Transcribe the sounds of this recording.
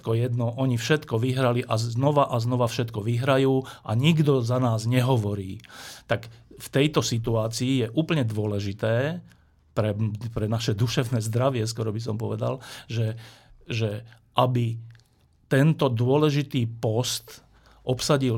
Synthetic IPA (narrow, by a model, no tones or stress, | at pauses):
kɔjɛd̪nɔʔɔɲifʃɛt̪kɔʋiɦɾaliʔaznɔʋaʔaznɔʋafʃɛt̪kɔʋiɦɾajuːʔa̰ɲiɡd̪ɔzanaːzɲɛɦɔʋɔɾiːt̪akft̪ɛjt̪ɔsit̪̬uaːt͡siːjɛʔuːpl̩ɲɛd̪ʊɔlɛʒit̪ɛː | pɾɛpɾɛnaʃɛd̪uʃɛʊnɛːzd̪ɾaʋɪɛskɔɾɔbis̬ɔmpɔʋɛd̪a̰lʒɛʒɛ | ʔabi | t̪ɛnt̪ɔd̪ʊɔlɛʒit̪iːpɔst̪ | ʔɔpsaɟil